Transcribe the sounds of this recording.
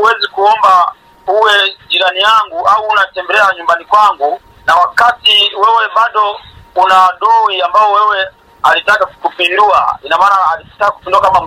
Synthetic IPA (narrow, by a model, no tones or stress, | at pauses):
uwɛzikuɔmba | uwɛd͡ʒiɾanijaŋɡuauːnatɛmbɛlɛaɲumbanikwaŋɡu | nawakatiwɛwɛmaɗɔunaːɗuwiambaɔwɛwɛ | alitakakupindua̰inamaːnaːliktakaku̥pinduakamam